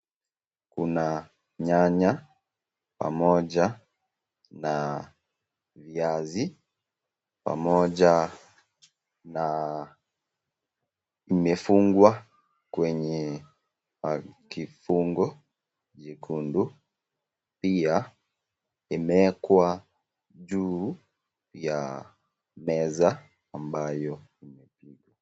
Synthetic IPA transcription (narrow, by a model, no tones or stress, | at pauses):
kuna | ɲaɲa | pa̰mɔʄa | na | viazi | pa̰mɔʄa | na | imɛfuŋɡwa | kwɛɲɛ | kifuŋɡɔ | ʄikʰundu | pia | imɛkwa | ʄu | ja | mɛzaː | mbajɔ | imɛpiɡwa